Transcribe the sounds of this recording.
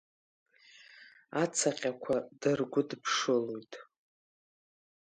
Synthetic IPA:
at͡sʰaqʲʼakʷʰadɨrɡʷʊdpʰʂɨlojtʼ

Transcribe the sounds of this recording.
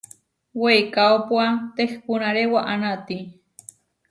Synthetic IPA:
wejkawpwat̪expunaɾewaʔanat̪i

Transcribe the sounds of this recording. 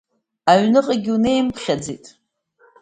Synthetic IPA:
aɥnɨqʼaɡʲune̞jmpʰχʲad͡zitʼ

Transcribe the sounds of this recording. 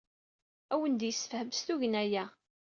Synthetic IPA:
æwənd̪jəsːə̥fhəməst̪uʝənæjæ

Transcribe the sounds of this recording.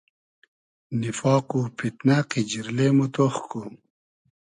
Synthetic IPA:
nifɑːquːpʰit̪naqid͡ʑiɾlemut̪oxko

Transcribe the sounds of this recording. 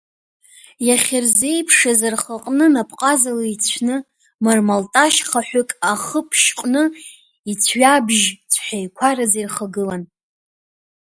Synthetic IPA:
jaχʲɪrze̞jpʰʂazarχaqʼnɨnapʰʼqʼazalait͡sʷʰnɨ | marmaltʼaʃχaħʷᶣʊkʼaχəpʰʃqʼnɨ | it͡sʰɥabʒt͡sʷʰħᶣajkʷʰaɾazirχaɡɨlan

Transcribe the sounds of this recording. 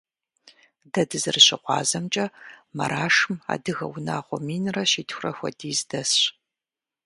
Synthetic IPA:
dɐdɨzɨrɕɪqʷɑ̰ːzɐmt͡ʃʼɐmɐ̰ɾaːʂɨma̰ːdɨɣɐ̰wna̰ːʁʷɔmiːnrɐɕiːtʰxʷrɐxʷɔ̰diːzdɐsɕ

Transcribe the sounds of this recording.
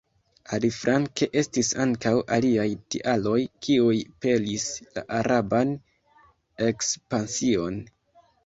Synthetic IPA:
alifɾʔaŋke̞ʔe̞stisaŋkawʔa̰liajtḭʔalo̞jkʰiujpe̞lisla̰ʔaɾaban | e̞kspansio̞n

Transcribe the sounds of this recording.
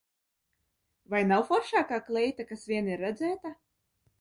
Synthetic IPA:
vajnawfɔɾʃaːkaːklˠɛjt̪akasvʲiɛniɾːɛd̪zɛːt̪a

